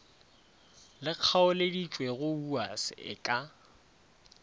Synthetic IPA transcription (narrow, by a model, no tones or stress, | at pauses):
lɪq͡χʰaʊledit͡ʃʼweɣʊuasɪ̰ɪ̰kʼa